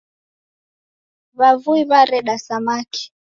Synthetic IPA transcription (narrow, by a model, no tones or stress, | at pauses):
βavuiβaɾɛɗasamaki̥